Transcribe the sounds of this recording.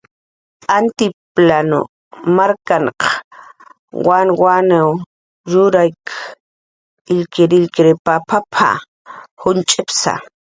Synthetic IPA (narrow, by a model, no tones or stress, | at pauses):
ant̪ɪplano̰ | maɾkaɴq | wanwanew | ɾʊɾajk | ɪʎkɪɾɪʎkɪɾepapʰapʰa̰ | hʊnt͡ʃʼɪpsa̰